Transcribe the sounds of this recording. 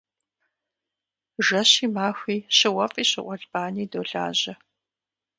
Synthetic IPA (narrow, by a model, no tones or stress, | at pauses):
ʒɐɕiːmaːxʷiːɕɪwɐfʼiːɕɪʔʷɔɮb̥aːniːdoːɮa̰ːʑɐ